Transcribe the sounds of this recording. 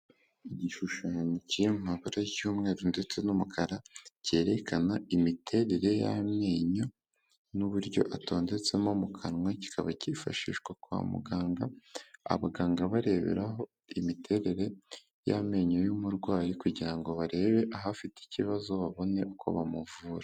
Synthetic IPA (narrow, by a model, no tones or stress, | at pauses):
iɟiʃuʃaɲiciemumaβaɾajuːmŋe̞ːɾonde̞t͡se̞numukʰaɾace̞ːɾe̞kʰanaimitʰe̞ɾe̞ɾe̞ja̰mjeːɲo̞ | nuβuɾɟo̞̰ʔato̞ːnde̞t͡se̞momukʰanŋwaci̥kʰaβacifa̰ʃḭːʃɡwakua̰mṵɡaːŋɡaa̰βaɡaːŋɡaβaɾe̞βḛɾaɦo̞ | imitʰe̞ɾe̞ɾe̞ | ja̰me̞ːɲojumuɾɡwaːɾikuɟiɾaŋɡo̞βaɾe̞ːβe̞ʔaɦafiti̥ciβazo̞βaβo̞ne̞ʔukʰo̞̰βamuvuːɾa